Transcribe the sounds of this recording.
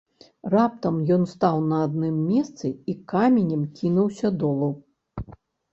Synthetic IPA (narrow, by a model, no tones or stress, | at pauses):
rap̚t̪ɐmjɔnst̪awnɐːd̪nɨmːʲɛst̪sɨikamʲenʲɐmkʲinuwsʲɐd̪ɔlˠɐw